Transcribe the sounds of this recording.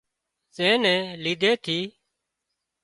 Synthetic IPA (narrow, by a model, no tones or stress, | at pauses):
sẽːnɛ̃ːliːd̪ʱeːt̪ʰiː